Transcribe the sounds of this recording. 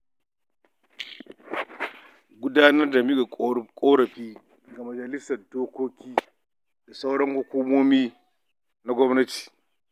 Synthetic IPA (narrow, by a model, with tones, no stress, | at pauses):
ɡʷʊ˦daː˦nɐ˦rda˨mi˦ɡa˨kʼoː˦ɽɐ˨ɸiː˦˨ | ɡa˨mɐ˨d͡ʒɐ˨lɪ˦sɐ˨rdoː˦kʷoː˦kʲiː˦ | da˨sa˦wɽɐ˦ŋhu˦kʷuː˦moː˦miː˦ | na˦ɡʷɔ˦mnɐ˦ti̥ː˨